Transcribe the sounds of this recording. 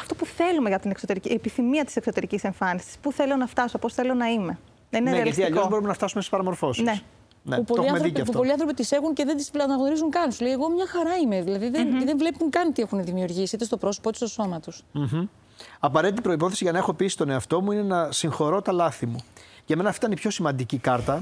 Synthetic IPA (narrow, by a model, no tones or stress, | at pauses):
ɐft̪opuθe̞lume̞ʝɐt̪inekso̞t̪e̞ɾiciepiθimiɐt̪i̥sekso̞t̪e̞ɾicise̞ɱfɐnisi̥spuθe̞lo̞nɐft̪ɐso̞po̞sθe̞lonɐime̞ | nɐineɾeɐliɐst̪iɐʎozbo̞ɾumenɐft̪ɐsumest̪i̥spɐɾɐmo̞ɾfo̞snine | nḛpupoiɐmeθɾoðieɐpupoliɐnθɾopit̪ise̞ɣunce̞ðend̪isɐnɐɣno̞ɾizuŋkɐnsulejeɣo̞mɲɐxɐɾɐime̞ðilɐðiðenðenvle̞puŋkɐnt̪ie̞xuneðimiuɾʝisiit̪est̪opɾo̞sopot̪u̥st̪oso̞mɐt̪usm̩m̩ | ɐpɐɾe̞t̪it̪ipɾo̞ipo̞θesiʝɐnɐe̞xo̞pisist̪o̞ne̞ɐft̪o̞muinenɐsiŋxo̞ɾo̞t̪ɐlɐθimuʝɐme̞nɐːft̪it̪ɐnipço̞simɐnd̪icikɐɾt̪ɐ